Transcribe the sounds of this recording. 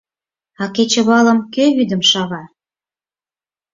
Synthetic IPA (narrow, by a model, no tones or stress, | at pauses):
ɑket͡ɕə̆βɑlə̆mkøβyd̪ə̆mʃɑβɑ